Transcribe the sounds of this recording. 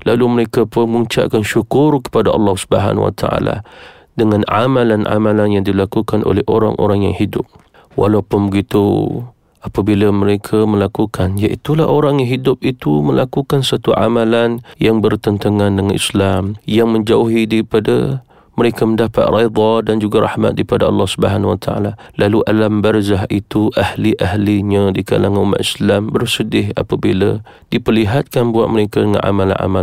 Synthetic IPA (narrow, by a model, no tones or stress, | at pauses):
laluməɾekapʊnməuɲt͡ʃa̰ʔkanʃukʊrkə̥padaʔɑ̰lːɑhsu̥bəɦa̰nwa̰t̪ʰaʔa̰la̰ | dəŋãna̰malana̰malanjaŋdilakukanʔo̰lɛhoɾa̰ŋʔo̰ɾaŋja̰ŋhidʊ̰p̚ | wa̰lawpʊnbəɡit̪u | apabilaməɾekʰaməlakukʰanjaʔit̪ula̰oɾaŋjaŋɦidʊp̚it̪uməlakukansat̪uʕa̰malanjaŋbərt̪ənt̪aŋandəŋanʔḭslamjaŋməɲd͡ʒauɦidaɾipada̰ | məɾekaməndapa̰t̪̚rejd̪ˤɑdand͡ʒuɡaɾa̰hma̰t̪̚daipadaɑ̰lːɑhsubəɦanwa̰t̪ʰaa̰lalaluʔalambərzaɦit̪uʔahliʔaɦliɲadika̰laŋanuma̰ʔislambərsədɪɦa̰pabila̰ | dipərliɦat̪̚kanbuat̪̚məɾekadəŋa̰nʔa̰mala̰na̰ma